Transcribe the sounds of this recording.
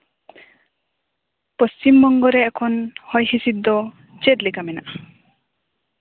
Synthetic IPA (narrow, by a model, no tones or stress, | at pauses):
pɔst͡ʃimbɔŋɡɔɾɛːkʰɔnhɔjɦisid̪ːɔ | t͡ʃet̪likamɛna̰ʔa